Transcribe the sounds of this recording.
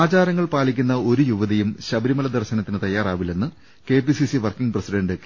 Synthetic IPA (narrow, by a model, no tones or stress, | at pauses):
aːt͡ɕaːɾɐŋːɐɭpaːlikʲːunːɐo̞ɾujuʋɐðɐjumɕɐbɐɾimɐlɐd̪ɐrɕɐnɐt̪ːinɨt̪ɐjːaːraːʋile̞nːɨ | ke̞ːpisisiʋɐrkiŋɡprɐsiɖɐɳɖɨk